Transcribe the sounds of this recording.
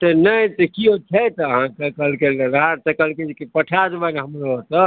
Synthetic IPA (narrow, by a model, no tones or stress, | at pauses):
t̪ɔnəjt̪əkiot͡ʃʰɛt̪əɦãkəkəlkelenɦãt͡ʃəkəlked͡ʒkepəʈʰad͡ʒbanɦəmɾot̪ə